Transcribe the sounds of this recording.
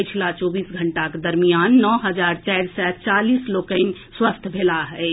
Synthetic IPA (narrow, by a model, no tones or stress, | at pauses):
t͡ʃʰlat͡ʃɔbisɡʱəɳʈaked̪əɾmijanːɔɦəd͡ʒaɾt͡ʃɛjɾsɛt͡ʃalislokə̃nswəst̪ʰbʱelaɦɛɪ